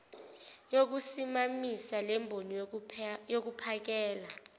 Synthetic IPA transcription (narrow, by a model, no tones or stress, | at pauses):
jok̬usimamisalɛmbʱoni | jok̬upʰak̬ɛːla